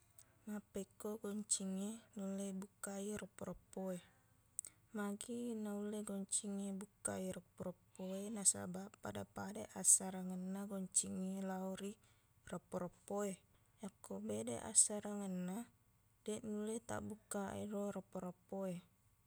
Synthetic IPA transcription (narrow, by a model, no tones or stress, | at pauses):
mapekːoɡɔɲt͡ʃiŋːenulebukːairɔpːoɾopːoe | maɡinauleɡɔɲt͡ʃiŋːebukːaiɾɔpːoɾopːoenasa̰bapːa̰dapadeʔasaɾaŋənːaɡɔɲt͡ʃiŋːelaoɾi | rɔpːoɾopːoe | jakːobedḛʔa̰saɾaŋənːa | deʔnulet̪a̰ʔbukːaḛdoɾɔpːoɾopːoe